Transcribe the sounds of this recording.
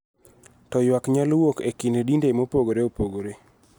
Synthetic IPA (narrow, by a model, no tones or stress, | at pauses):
tɔjwakɲalwokekinedindemopoɡoɾeopoɡoɾe